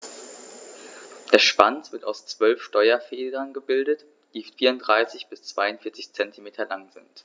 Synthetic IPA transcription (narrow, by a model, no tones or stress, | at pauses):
d̥eːɐʃv̥a̰nt͡sv̥ɪɐtaʊst͡sv̥œlfʃtɔʏɐfɛːdɐnɡəbɪldət | d̥iːfiːɐʊndʁaɪsɪçb̥ɪst͡sv̥aɪʊntfɪɐt͡sɪçt͡sɛntʰimeːtʰɐlaŋzɪ̰nt